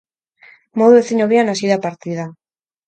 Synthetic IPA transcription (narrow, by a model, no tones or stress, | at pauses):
moðueθiɲoβianasiðapaɾt̪iða